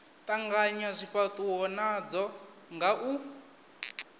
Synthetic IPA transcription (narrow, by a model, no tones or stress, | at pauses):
tʼaŋɡaɲazʷiɸatuɦɔnad͡zɔ | ŋɡaʔu